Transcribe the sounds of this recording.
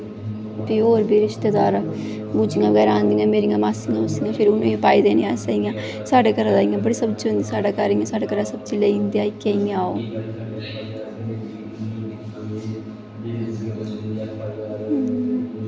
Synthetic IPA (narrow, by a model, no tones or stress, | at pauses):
biːɦoːɾbiːɾɪʃt̪eːd̪aːɾ | buːd͡ʒiːŋɡãːbəɡɛːɾaãːnd̪iːãːmeːɾijãːmaːsiŋãːʊsiːãːpʰɪɾʊnõːĩpaːiːd̪eːnĩãːsaːijãː | saːɖeːkəɾaːd̪aːĩjãːbəɽiːsəbt͡ʃiõnd̪iːsaːɖaːkəɾijãːsaːɖaːkəɾaːsəbt͡ʃileːind̪iaːikẽĩaːo̰ː